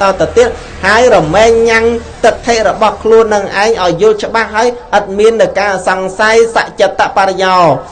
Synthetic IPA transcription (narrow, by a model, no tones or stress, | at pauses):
t̪ɑːt̪at̪iət̪̚ | haəjrɔmɛːŋɲaŋt̪ɨk̚t̪ʰːeːʔ̚rɔɓɑhkʰluənːɨŋʔaɛŋʔaɔjːʊ̆əlt͡ɕə̆ɓahːaəjʔət̪̚miənːɨwkaːsɑŋsajsa̰ʔt͡ɕət̪ːaʔpaɾejaː